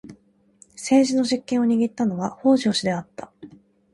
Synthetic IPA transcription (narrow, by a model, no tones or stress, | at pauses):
se̞ːʑino̞ʑikːẽɰ̃o̞ɲ̟iɡʲit̪ːano̞βaho̞ːʑo̞ːɕid̪e̞at̪ːḁ